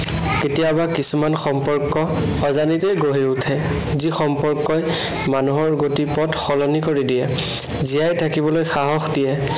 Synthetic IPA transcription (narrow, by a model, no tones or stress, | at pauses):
ketijabakisumanxɔmpɔɹkːɔ | ɔzanitejɡoɦiutʰɛ | zixɔmpɔɹkːɔj | manuɦɔɹɡotipɔtxɔlɔnikoɹidijɛ | zijajtʰakibɔlojxaɦɔxdijɛ